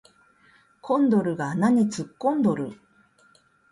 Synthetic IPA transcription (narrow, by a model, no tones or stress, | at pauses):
kʰõ̞nd̪o̞ɾɯ̟ɡanaɲ̟it͡sɨkːõ̞nd̪o̞ɾɯ̟